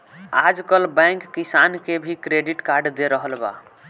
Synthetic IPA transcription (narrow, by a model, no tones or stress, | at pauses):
ad͡ʒkəlbɛ̃ŋkːisankebʱikɾeɖiʈkaɾɖd̪eɾəɦəlba̰